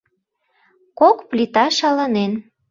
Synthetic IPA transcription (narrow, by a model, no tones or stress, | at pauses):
kokplit̪ɑʃɑlɑnen